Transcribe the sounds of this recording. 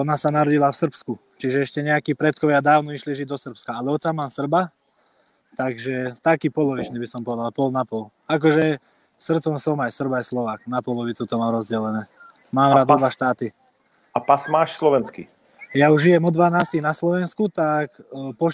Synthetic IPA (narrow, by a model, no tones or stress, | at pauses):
ɔnasanaɾɔɟilafsr̩psku | t͡ʃiʒɛɛʃcɛɲɛakiːpɾɛt̪̚kɔʋad̪aːʊnɔiʃliʒiɟd̪ɔsr̩pskaalɛɔt͡samaːmsr̩ba | t̪aɡʒɛt̪akiːpɔlɔʋit͡ʃnibisɔmpɔʋɛd̪alpɔlnapɔl | ak̬ɔʒɛ | sr̩t͡sɔmsɔmajsr̩bajslɔʋaːknapɔlɔʋit͡sut̪ɔmaːmɾɔzɟɛlɛnɛː | maːmɾaːd̪ɔd̪ʋaʃt̪aːt̪i | apasmaːʃslɔʋɛnskḭ | jauʒʒijɛmɔd̪ʋanaːstinaslɔʋɛnskut̪akpɔ